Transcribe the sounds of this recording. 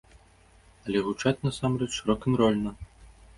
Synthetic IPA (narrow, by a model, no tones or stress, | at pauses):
ɐlʲɛɣut͡ʂat͡sʲnasamrɛt͡ʂʂɨɾɔkɨmɾɔlʲnɐ